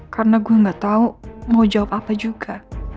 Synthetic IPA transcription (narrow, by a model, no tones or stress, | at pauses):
karənaɡuaŋɡaʔt̪aumaud͡ʒawap̚apad͡ʒuɡa